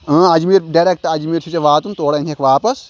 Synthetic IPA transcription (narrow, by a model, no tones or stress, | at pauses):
ə̃ːɐd͡ʒmiːɾɖɐɾek̚ʈɐd͡ʒmiːɾsʰit͡ʃeʋaːt̪unt̪oːɽenʲʰekʰʋaːpɐs